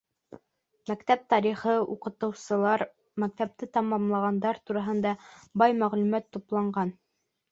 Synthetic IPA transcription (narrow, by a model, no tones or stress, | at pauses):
mækt̪æp̚t̪ɑɾiχɤuqɤ̆t̪ɤ̆wsɤ̆lˠɑɾ | mæk̚t̪æp̚t̪ɘt̪ɑmɑmlˠɑʁɑnd̪ɑɾt̪uɾɑɦɤ̆nd̪ɑbɑjmæʁlʉmæt̪ːuplˠɑɴɢɑn